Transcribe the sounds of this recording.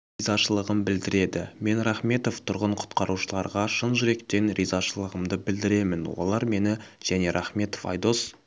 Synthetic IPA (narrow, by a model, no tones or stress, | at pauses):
ijzɑʃəlˠəʁəmbɪld̪ɪɾe̞d̪ɪme̞nɾɑχme̞t̪o̞ft̪ʰʊɾʁəɴqʰʊ̥t̪qɑɾuʃəlˠɑɾʁɑʃənʒʏɾe̞kt̪e̞nɾijzɑʃəlˠəʁəmd̪əbɪld̪ɪɾe̞mɪnwo̞̰lˠɑɾme̞nɪʒ̥æne̞ɾʔɑχme̞t̪o̞fɑ̰jd̪o̞s